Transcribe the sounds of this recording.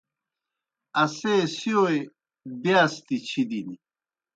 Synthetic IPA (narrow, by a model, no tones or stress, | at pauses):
ɐseːsioe | beast̪it͡ɕʰid̪ini